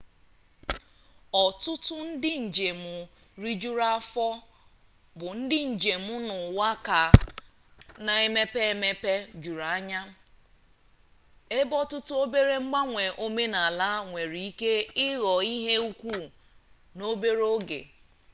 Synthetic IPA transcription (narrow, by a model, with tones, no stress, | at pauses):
ɔ˨tʊ˦tʊ˦n̩˦dɪ˦n̩˨d͡ʒe˨mʊ˨ | ɾi˦d͡ʒu˦ɾa˦fɔ˦ | bʊ˨n̩˦dɪ˦n̩˨d͡ʒe˨mʊ˦nʊ˨wa˦ka˨ | na˨e˦me˦pe˦e˦me˦pe˦d͡ʒu˨ɾa˨a˦ɲa˦ | e˦bɔ˦tʊ˦tʊ˦o˦be˦ɾe˦ŋ͡m̩˦ɡ͡ba˦ŋʷe˨ʔo˦me˦na˨la˦ŋʷe˨ɾi˨i˦ke˦ɪ˦ɣɔ˨i˦ɦe˦u˦kʷu˦˨ | no˦be˦ɾo˦ɡḛ˨